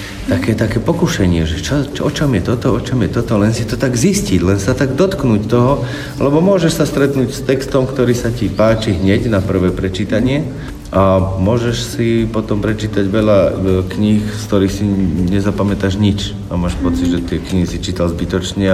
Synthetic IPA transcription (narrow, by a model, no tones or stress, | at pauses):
t̪akɛːt̪akɛːpɔkuʃɛɲɪɛʒɛt͡ʃɔt͡ʃɔt͡ʃɔmjɛt̪ɔt̪ɔɔt͡ʃɔmjɛt̪ɔt̪ɔlɛnsit̪ɔt̪aɡzisciɟlɛnsat̪aɡd̪ɔt̪knuːct̪ɔɦɔ | alɛbɔmʊɔʒɛʃsast̪ɾɛt̪nuːcst̪ɛkst̪ɔmkt̪ɔɾiːsacipaːt͡ʃiɦɲɛɟnapr̩ʋɛːpɾɛt͡ʃiːt̪aɲɪɛ | ʔamʊɔʒɛʃsipɔt̪ɔmpɾɛt͡ʃiːt̪aɟʋɛʎakɲixskt̪ɔɾiːxsiɲɛzapamɛt̪aːʒɲit͡ʃ | amaːʃpɔt͡sid̪ʒɛt̪ɪɛkɲiɦisit͡ʃiːt̪alzbit̪ɔt͡ʃɲɛ